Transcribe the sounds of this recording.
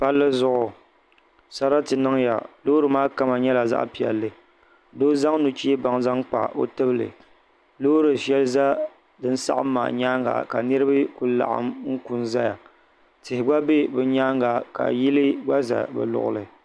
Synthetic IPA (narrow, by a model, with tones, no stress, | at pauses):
pa˦lːɨ˦zʊ˦ʔʊ˨ | sa˦ɾa˦tɨ˨nɨ˦ŋja̰˨loː˦ɾɨ˨maː˦ka˦ma˨ɲɛ˦la˨za̰˦ʔpi˨ɛ̰˨lːɨ˨ | doː˦za˦ŋnu˨t͡ʃi˦ba˨ŋza˦ŋk͡pa̰˨ʔo̰˦tɨ˦bɨ˦lɨ̰˨ | lo˦ɾɨ˨ʃɛ˦lɨ˦za˦ | dɨ˦n̩˦sa̰˦ʔa̰˦mː˦a̰˨ɲa˦ŋɡa̰˨ka˨nɨ˦ɾɨ˦bɨ˦ku˦la̰˨ʔa̰˦mŋ̩˦ku˨nza˦ja˨ | tɪ˨hɪ˨ɡ͡ba˦be˦bɨ˨ɲa˦ŋɡa˨ka̰˨ji˦lɨ˦ɡ͡ba˦za̰˨bɛ̰˨lʊ̰˨ʔʊ̰˨lɨ˨